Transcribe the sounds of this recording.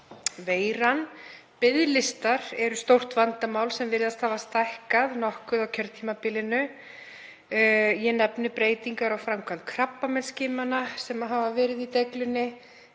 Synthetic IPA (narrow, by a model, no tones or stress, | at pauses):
veːjɾan | pɪðlɪst̪aɾɛɾʏst̪owr̥t̪vant̪amaːwlsɛmvɪɾɪðast̪haːvast̪ajhkaðnɔhkʏðawcʰœɾt̪ʰiːmapɪlɪnʏ | jɛnɛpnɪpɾeːjt̪iŋkaɾawfɾamkʰvant̪kʰɾapːamɛnscɪːmanasɛmaɦavavɛːɾɪðit̪ɛklʏnːɪ